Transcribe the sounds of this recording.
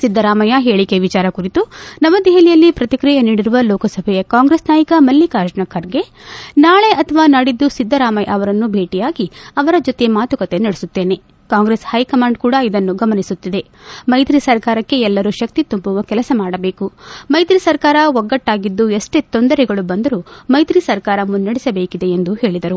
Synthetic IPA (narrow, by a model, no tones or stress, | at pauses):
sid̪ʱːɐɾaːmɐjɐɦe̞ːɭikeʋit͡ʃaːɾɐkuɾit̪unɐmːɐd̪ɛɦɐlijɐlːipɾɐt̪ikɾijɐniːɽiɾuʋɐlɔːkɐsɐbʱɛjɐkaːŋɡɾesnaːjɐkɐmɐlːikaːɾʃɳɐkʰːɐɾɡe̞ | naːɭe̞ʔɐt̪ʰɐʋaːnɐɽid̪ːusid̪ʱːɐɾaːmɐjʔɐʋɐɾɐnːubʱe̞ːʈijaːɡiɐʋɐɾɐd͡ʒot̪emaːt̪ukɐt̪e̞nɐɽesut̪ːe̞ːne̞ | kaːŋɡɾeshɐjkɐmaːɳɖ̚kuːɽɐid̪ɐnːuɡɐmɐnisut̪ːid̪e̞ | mɐjt̪ɾisɐɾkaːɾɐkːe̞ɛlːɐɾuʃɐk̚t̪it̪umbuʋɐkɛlɐsɐmaːɽɐbe̞ːkumɐjt̪ɾisɐɾkaːɾɐɔɡːɐʈːaːɡid̪ːueʂʈe̞t̪o̞nd̪ɐɾɛɡɐɭubɐnd̪ɐɾumɐjt̪ɾisɐɾkaːɾɐmunːɐɽisɐbeːkid̪e̞ːnd̪uhe̞ːɭid̪ɐɾu